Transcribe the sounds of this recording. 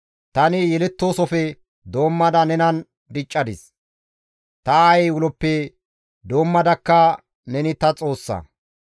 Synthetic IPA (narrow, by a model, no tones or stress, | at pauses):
t̪ɐnɪjɛlɛt̪ːo̞ːsɔfɛ | d̪o̞ːmːɐd̪ɐnɛnɐn | d̪ɪt͡ʃʼːɐd̪ɪs | t̪ɐajɛjwʊlɔpːɛ | d̪o̞ːmːɐd̪ɐkːɐ | nɛnɪt̪ɐt͡sʼo̞ːsːɐ̰